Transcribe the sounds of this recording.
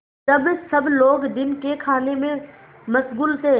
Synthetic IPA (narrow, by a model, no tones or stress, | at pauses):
d͡ʒɐbsɐbloːɡd̪ɪnkekʰaːnemẽ | mɐsɡuːlt̪ʰeː